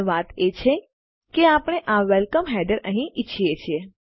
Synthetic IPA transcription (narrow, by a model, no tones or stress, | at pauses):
ʋat̪et͡ʃʰe | keapɳ̃eʔaʋɛlkəmɦɛɖəɾəɦĩʔit͡ʃʰiet͡ʃʰie